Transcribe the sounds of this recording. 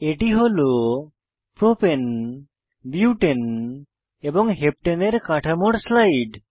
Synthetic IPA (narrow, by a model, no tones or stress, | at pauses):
eʈiɦolo | pɾopen | buuʈen | ebɔŋɦep̚ʈeneɾkaʈʰamoɽslajɖ